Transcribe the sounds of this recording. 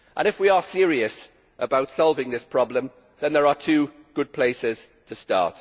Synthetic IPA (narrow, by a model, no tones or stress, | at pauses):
ʔə̰̃nɪfwiəsɪəɹiəs | ʔəbaʊtsɒlˠvɪ̃ŋðɪspʰɹ̥ɒblə̃m | ðə̃nðəɹətʰʉː | ɡ̥ʊd̚pʰl̥eɪsɪz̥ | tʰəstɑ̰ˑt